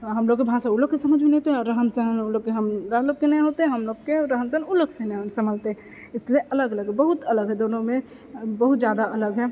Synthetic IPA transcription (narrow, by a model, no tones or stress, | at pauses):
ɦəmloɡ̚kːebʱãsaulokkːesəməd͡ʒʱmenɛt̪eɔɾːəɦəmsəɦnuloɡ̚keɦəmɾəɦloɡ̚kenɛɦot̪eɦəmloɡkeɾəɦəmsənuloksenɛɦnsəməlt̪e | ɪslieʔələɡələɡɦbəɦut̪ələɡɦɛd̪onome | bəɦut̪̚d͡ʒjad̪aələɡɦɛ